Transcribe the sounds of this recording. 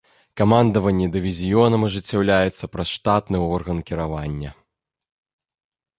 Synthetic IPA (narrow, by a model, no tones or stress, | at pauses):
kamand̪ɐvɐnʲːɛd̪ɨvʲizʲijɔnɐmɐʐɨt͡sʲːawlʲajɛt̪sːɐpɾɐsʂt̪at̪nɨɔrɣɐnkʲiɾavanʲːɐ